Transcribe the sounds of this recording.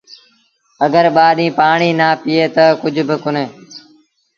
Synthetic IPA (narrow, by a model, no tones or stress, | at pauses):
əɡəɾɓaːɗĩːpaːɳiːnaːpiːeːt̪əkʊd͡ʒʱbɪkʊneː